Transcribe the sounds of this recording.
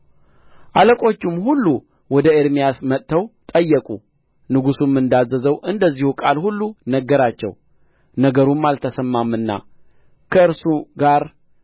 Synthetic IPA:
ʔaləkʼo̞t͡ʃːɪmhulːu | wɔd̪əeɾmijasmət̪ʼt̪ʰːəwt̪ʼəjːəkʼu | nɨɡusumːɨnd̪azːəzəwʔɨnd̪əzːihukʼalhulːunəɡːəɾat͡ʃːɛ̰w | nəɡəɾumːalt̪ʰəsəmːamːɨnːa̰ | kʰəɨɾsuɡaɾ

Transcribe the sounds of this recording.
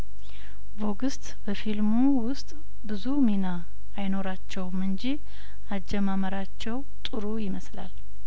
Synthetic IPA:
bo̞ɡɨst̪ʼbəfilmu | wʊst̪ʼ | bɨzuminaː | jno̞ɾat͡ʃːɛwmɨnd͡ʒi | ʔad͡ʒɛmaməɾat͡ʃːɛw | t̪ʼɨɾujɪməsla̰l

